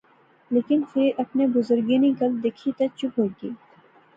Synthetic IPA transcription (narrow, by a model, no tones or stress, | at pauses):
leːkɪnfʰɪɾʔɐpnebʊzʊɾɡenĩɡɐld̪eːkʰit̪ɐt͡ʃʊpɦoːɡiː